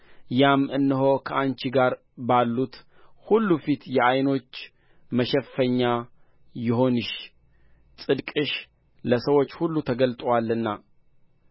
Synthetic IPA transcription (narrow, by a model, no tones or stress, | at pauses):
jamɨnːɨɦo̞kʰəant͡ʃiɡaɾ | balːut̪ | hulːufit̪jɛajno̞t͡ʃː | məʃɛfːəɲːa | jɪɦo̞nɨʃ | sʼɨd̪kʼɨʃ | ləsəwo̞t͡ʃːhulːut̪ʰəɡəlt̪ʼwalːɨnːa